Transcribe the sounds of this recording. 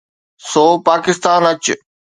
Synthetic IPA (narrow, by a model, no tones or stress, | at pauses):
soːpaːkɪst̪aːnɐt͡ɕ